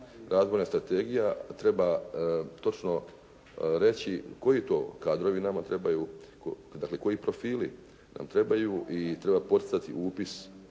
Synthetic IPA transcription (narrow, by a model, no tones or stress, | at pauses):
ɾaːzʋo̞jnast̪ɾat̪e̞ɡijat̪ɾe̞bat̪o̞t͡ʃno̞ | ɾe̞t͡ɕiko̞jit̪o̞ːkaːd̪ɾo̞ʋinamat̪ɾe̞bajuk | d̪akle̞ko̞jipɾo̞fiːlḭ | na̰mt̪ɾe̞bajuʔit̪ɾe̞bapo̞t̪i̥t̪sat̪ḭʔuːpis